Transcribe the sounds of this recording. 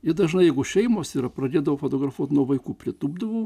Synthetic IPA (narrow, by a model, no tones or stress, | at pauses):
ɪd̪ɐʒnɐɪjɛɪɡʊʃʲɛɪmoːsiːɾɐpɾɐdʲeːd̪ɐʋoːfoːt̪oːɡɾɐfuɔt̪nuɔʋɐɪkuːpʲɾʲɪt̪uːbd̪ɐʋoː